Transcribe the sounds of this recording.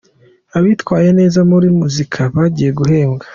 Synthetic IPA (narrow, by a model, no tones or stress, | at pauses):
aβitwaːje̞ne̞ːzamuɾimuzikʰaβaɟiːje̞ɡuɦe̞ːŋɡḁ